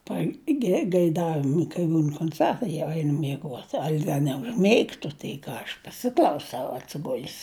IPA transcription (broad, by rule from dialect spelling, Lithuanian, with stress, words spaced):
pɐɡʲɛɡɐɪˈdɑːʋʲɪmʊ kɐɪ ˈbuːn koːnʲˈt͡sʲɛrtɐɪ jɛʊ ˈɛɪnʊ mʲiɛˈɡuɔt ˈɐlʲ ˈdɐ nʲɛʊʒʲˈmʲɛɪktʊ tɐɪ ˈkɑː ˈɐʃ pɐˈsʲɪklˠɐʊsɐʊ ɐtʲsʲɪˈɡʊlʲs